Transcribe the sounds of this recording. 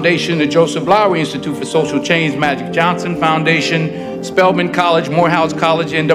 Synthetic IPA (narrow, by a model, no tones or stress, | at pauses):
ndeɪʃɨ̃nɨd͡ʒoʊsɨfblaʊiɪ̃nstɨtʰutfə˞soʊʃl̩ˠt͡ʃʰẽɪ̃nzmæd͡ʒɨk̚d̥ʒ̥ɑ̃nsɨ̃nfãʊ̃ndeɪʃɨ̃n | spɛlˠmɨ̃nkʰɑlˠəd͡ʒmɔɹɦaʊskʰɑlˠɨd͡ʒɨ̃ndɨ